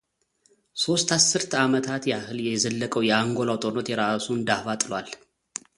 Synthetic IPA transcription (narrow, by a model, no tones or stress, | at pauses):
so̞st̪ʰasːɨɾt̪ʰamət̪ʰat̪jɛahɨljɛzəlːəkʼəwjɛaŋɡo̞lawt̪ʼoɾnot̪jɛɾasund̪ahfat̪ʼɨlwal